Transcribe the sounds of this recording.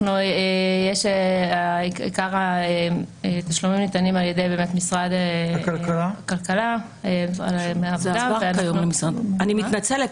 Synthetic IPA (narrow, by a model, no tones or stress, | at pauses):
nojejeʃeaiḭkaʁaeet̪aʃlumimnitanimaljedejbe̞ːmetmisʁadekalkalakalkala | esa̰meavdaveajomlemisʁadaniminat͡sele